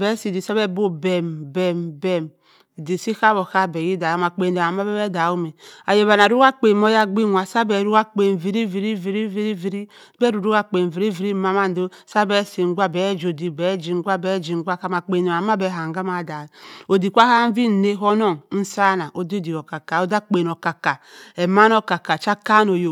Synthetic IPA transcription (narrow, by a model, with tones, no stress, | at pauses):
bɛ˦si˨di˨sa˦bɛ˦bo˦bɛ˨mbɛ˨mbɛ˨m˨ | di˨si˦ka˦bo˨ka˦bɛ˨ji˦da˨a˦ma˨k͡pe˨ne˨a˨m˦a˦bɛ˦bɛ˦da˨u˦me˨a˨je˨βa˨na˨ɾu˦wa˦k͡pe˨mo˦ja˦ɡ͡bi˦˨nʷ˨a˨sa˦bɛ˨ɾu˦a˦k͡pe˨vi˨ɾi˦vi˨ɾi˦vi˨ɾi˦vi˦ɾi˦vi˨ɾi˦ | bɛ˦ɾu˨ɾu˦wa˦k͡pe˨n˨vi˨ɾi˦vi˨ɾi˦ma˦ma˦n̩˦do˦sa˦bɛ˦si˨ŋ˦ɡʷa˦bɛ˨˦d͡ʒo˨di˨bɛ˨˦d͡ʒi˨ŋ˦ɡʷa˦bɛ˨˦d͡ʒi˨ŋ˦ɡʷa˦ka˦ma˨k͡pe˨ne˨a˨ma˦bɛ˨ɦa˨ŋ˨ɡa˦ma˨da˨o˨di˨kʷa˦ha˦vi˦˨ne˦ɦo˦no˦˨ŋn̩˦sa˦na˨ʔo˨di˦di˨o˨ka˨ka˨o˦da˦k͡pe˨n˨o˨ka˨ka˨e˨ma˦no˦ka˨ka˨t͡ʃa˦ka˦no˨jo˨